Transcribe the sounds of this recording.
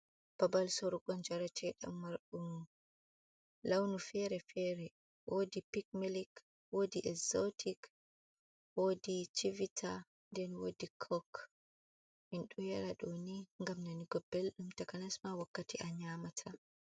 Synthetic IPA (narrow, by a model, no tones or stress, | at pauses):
b̥abalsoɾuɡɔnd͡ʒaɾat͡ʃɛɗa̰mːaɾɗum | lawnufɛɾɛfɛɾɛ | wodipik̚milik | wodiʔɛzotʰik | wodit͡ʃivitʰa | ndɛnwodikʰɔk | minɗuhɛɾaɗoniŋɡamnaniɡɔbelɗumtakanɛsmawakːatiʔaɲamatʰa